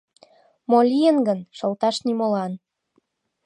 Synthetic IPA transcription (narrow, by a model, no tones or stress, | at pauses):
molʲiənɡənʃolt̪ɑʃnimolɑn